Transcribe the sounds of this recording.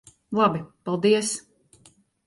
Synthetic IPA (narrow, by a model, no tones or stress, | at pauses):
lˠabipalˠd̪iəs